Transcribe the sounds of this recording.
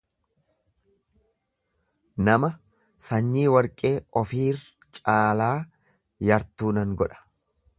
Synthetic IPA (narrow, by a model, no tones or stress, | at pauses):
nɐmɐ | sɐɲːiːwɐɾkʼe̞ːɔfiːr | t͡ʃʼaːlaː | jɐɾt̪uːnɐŋɡɔᶑɐ̥